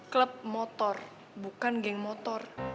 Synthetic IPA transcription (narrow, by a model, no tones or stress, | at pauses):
kləp̚mɔt̪ɔr | bukanŋɡɪŋmɔt̪ɔr